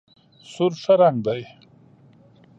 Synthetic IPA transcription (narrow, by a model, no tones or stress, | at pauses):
suɾʂɐɾaŋɡd̪aj